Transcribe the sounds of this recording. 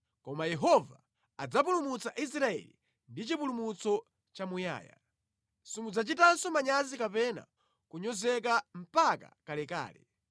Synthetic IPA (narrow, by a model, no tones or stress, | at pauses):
kɔmajɛɦɔvaː | d͡zap̬ulumut͡saʔis̬ɾaɛ̰lḭ | ndit͡ʃipulumut͡sɔ | t͡ʃamuja̰ːja̰ | simud͡zat͡ʃitansɔmaɲazikapɛna̰ | kuɲɔzɛk̬am̩paka̰kalɛka̰ːlɛ̰